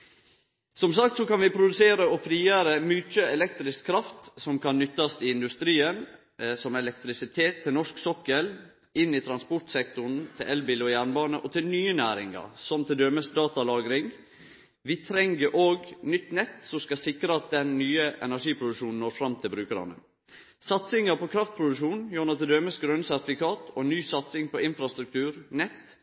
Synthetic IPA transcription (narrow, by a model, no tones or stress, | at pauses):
sɔmsɑkt̪sɔkɑnʋɪpʰɾʊd̪ʉseːɾəɔfɾiːəɾəmʉt͡ʃəɛlɛk̚t̪ɾɪskʰːɾɑft̪sɔmkɑnːʏt̪ːɑst̪ʰɪlɪnd̪ʉst̪ɾiːən | sɔmɛlɛk̚t̪ɾɪsɪt̪ʰeːt̪ʰːɪlnɔʂksɔkːəl | ɪnːɪt̪ʰɾɑnspɔʈsɛkt̪ʊɳ̩t̪ʰɪlʔɛlbilɔjæːɳbɑːnəʔɔt̪ʰɪlnyːənæːɾɪŋɑ̰ɾsɔmt̪ʰɪld̪øːməsd̪ɑːt̪ɑlɑːɡɾɪŋ | ʋɪt̪ʰɾɛŋɡəʔoːɡnʏt̪ːnɛt̪ːsɔmskɑsɪkɾəɑt̪̚d̪ɛnːyːəʔɛ̰næʂiːpʰɾʊd̪ʉʂuːnn̩oːɾfɾɑmt̪ʰɪlbɾʉːkəɾɑ̰nə̰ | sɑt̪sɪŋəpʰɔkʰɾɑft̪̚pʰɾʊd̪ʉʂuːnjuːnɑt̪ɪld̪øːməsɡɾœnsæɾt̪ɪfɪkʰɑːt̪ʰɔnyːsɑt̪sɪŋpʰɔɪnfɾɑst̪ɾʉk̚t̪ʉːɾnɛt̪ː